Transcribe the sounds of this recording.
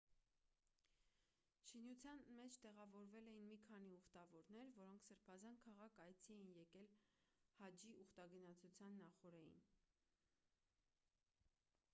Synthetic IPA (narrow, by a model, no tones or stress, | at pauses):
ʃʰinut͡sʰjɑnmɛt͡ʃʰt̪ɛʁɑvɔɾvɛlɛjinmikʰɑniuχt̪ɑvɔɾnɛɾvɔɾɔŋkʰsəɾpʰɑzɑnkʰɑʁɑkʰɑjt͡sʰiɛjinjɛkɛlhɑd͡ʒiʔuχt̪ɑɡənɑt͡sʰut͡sʰjɑnːɑχɔɾɛjḭn